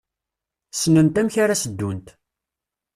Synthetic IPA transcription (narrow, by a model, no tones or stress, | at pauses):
snənt̪æmçaɾasəd̪ːunt̪